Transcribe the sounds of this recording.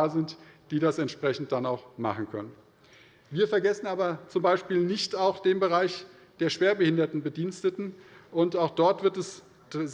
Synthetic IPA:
zɪntd̥iːdasɛntʃpʁ̥ɛçn̩t̚d̥anaʊxma̰χn̩kʰœ̰nən | viːɐfɛɐɡɛsn̩aːbɐt͡sʊmbaɪʃpiːlnɪçtaʊxd̥eːmbəʁaɪç | d̥eːɐʃv̥eːɐbəhɪndɐtn̩bədiːnstətn̩ʔʊntaʊxd̥ɔɐtv̥ɪɐtɛs | z

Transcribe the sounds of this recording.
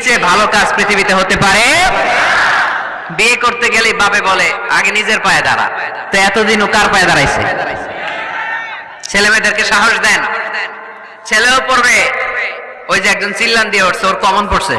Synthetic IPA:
t͡ɕʰebʱalokad͡ʑpɾit̪ʰibit̪eɦot̪epaɾe | biekoɾt̪eɡelebabebolea̰ɡenid͡ʑeɾpaed̪a̰ɾa̰ | t̪oɛt̪od̪inokaɾpajed̪aɾajsʰḛ | t͡ɕʰelemed̪eɾkeʃaɦoʃd̪ɛn | t͡ɕʰeleopoɾbe | ojd͡ʑeɛk̚d͡ʑont͡ɕilːand̪ijeoʈsʰeoɾkɔmonpoɾsʰḛ

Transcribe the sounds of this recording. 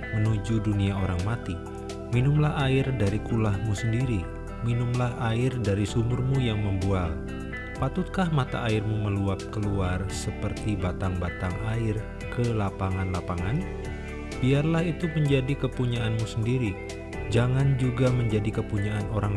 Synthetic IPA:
mənud͡ʒuduniaoɾaŋmat̪i | minʊmlahaɪrdaɾikulahmusəndiɾi | minʊmlaɦaɪrdaɾisumʊrmujaŋməmbual | pat̪ʊt̪̚kahmat̪a̰ʔaɪrmuməluap̚kəluarsəpərt̪ibat̪aŋbat̪aŋaɪr | kəlapaŋanlapaŋan | b̥iarlahit̪uməɲd͡ʒadikəpuɲaʔanmusəndiɾi | d͡ʒaŋand͡ʒuɡaməɲd͡ʒadikəpuɲaanoɾaŋ

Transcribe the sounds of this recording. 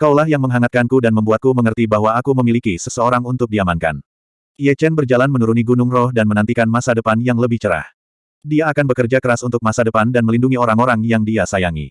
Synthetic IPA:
kauwlaɦjaŋməŋɦaŋat̪̚kankudanməmbuat̪̚kuməŋərt̪ibaɦwaːkuməmilikisəsəoɾaŋunt̪ʊk̚diamanka̰n | iɛt͡ʃɛnbərd͡ʒalanmənuɾuniɡunʊŋrɔhdanmənant̪ikanmasadəpanjaŋləbɪht͡ʃəɾa̰h | diaːkanbəkərd͡ʒakəɾasunt̪ʊk̚masadəpandanməlinduŋioɾaŋoɾaŋjaŋdiasajaŋḭ

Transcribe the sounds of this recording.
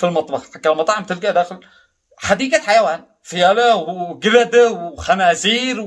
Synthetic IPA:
filmɑt̪ˤbɑħħakːalmɑt̪ˤɑʕmt̪ɪlɡæʔd̪æːxɪl | ħad̪iːɡæħajawaːn | fɪjælawɡɪlæd̪wxænaːziːɾw

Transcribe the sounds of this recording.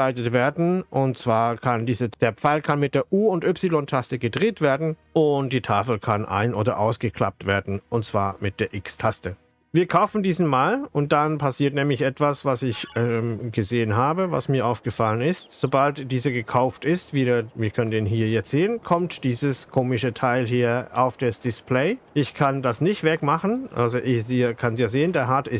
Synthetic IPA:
aɪtətv̥eːɐdn̩ʔʊntt͡sv̥aːɐkʰandiːzəd̥eːɐpp͡faɪlkʰanmɪt̚d̥eːɐʔuːʊntʔypsilɔntʰastəɡədʁeːtv̥eːɐdn̩ | ʔʊnt̚d̥iːtʰaːfl̩kʰanʔa̰ɪnʔoːdɐ̰ʔaʊsɡ̥əkʰl̥a̰p̚tv̥eːɐdn̩ʊntt͡sv̥aːɐmɪt̚d̥eːɐʔɪkstʰastə | viːɐkʰaʊfn̩diːzn̩maːlʊnt̚d̥anpʰasiːɐtnɛːmlɪçʔɛtv̥asv̥asɪçɛmɡəzeːənɦaːbəva̰smiːɐʔaʊfɡ̥əfalənɪstz̥obaltd̥iːzəɡəkʰaʊftɪstviːdəviːɐkʰœnəndeːnɦiːɐjɛt͡stz̥eːənkʰɔmtd̥iːzəskʰoːmɪʃətʰaɪlɦiːɐa̰ʊfd̥esd̥ɪspʰlɛɪʔɪçkʰandasnɪçtv̥ɛkmaχn̩ʔa̰lzoʔɪzikʰanzjaːzeːəndeːɐɦatɪ

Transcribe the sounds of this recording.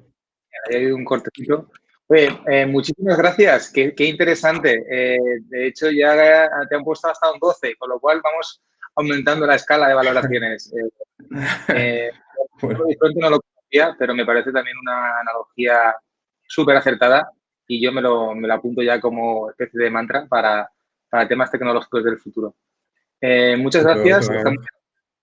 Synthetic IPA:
iajaiðuŋko̞ɾt̪e̞θit̪o̞ | oje̞emut͡ʃisimazɣɾaθjaskeke̞int̪e̞ɾe̞sant̪e̞ed̪e̞et͡ʃo̞ʝat̪eampwe̞st̪oast̪aund̪o̞θe̞ko̞nlo̞kwalβamo̞s | awmẽ̞nt̪and̪o̞lae̞skalaðe̞βalo̞ɾaθjo̞ne̞se | e | ooðisɾo̞nt̪eno̞lo̞konoθiape̞ɾo̞me̞paɾe̞θe̞t̪amje̞nunaːnalo̞xia | supe̞ɾaθe̞ɾt̪að̞a | iʝo̞me̞lo̞me̞loapunt̪o̞ʝako̞mo̞e̞spe̞θje̞ð̞e̞mãnt̪ɾapaɾa | paɾat̪e̞mast̪e̞kno̞lo̞xi̥ko̞zð̞e̞lfut̪uɾo̞ | emut͡ʃazɣɾaθjasest̪amose

